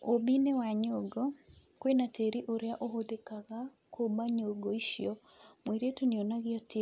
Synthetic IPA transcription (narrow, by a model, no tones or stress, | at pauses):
obinewaɲoɡɔkwenatʰeɾiʔoɾeaʔoɦod̪ekaɣa | kʰobaɲoɡoiʃjɔ | mweɾetonionaɣɪɔte